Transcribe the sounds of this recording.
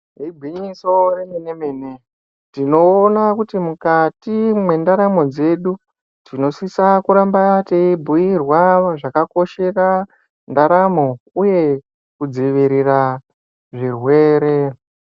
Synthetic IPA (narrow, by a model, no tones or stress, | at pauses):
ɦibʱwiɲiso̞remene̞me̞ːne̞ | tino̞ːnakutimukatimwe̞ndaɾamo̞d͡ze̞ɗu | tino̞sisakuɾambateibʱuirwaʐakako̞ʃe̞ra | ndaɾamo̞uje̞ | kud͡ziʋiɾira | ʐirwe̞ːɾe̞